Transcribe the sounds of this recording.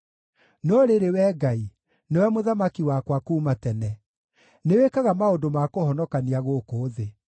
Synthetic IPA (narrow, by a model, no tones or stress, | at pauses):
nɔɾeɾewɛːɡai | newɛmoðamakiwakwakuːmatɛnɛ | newekaɣamaodomakohɔnɔkaniaɣokoːðe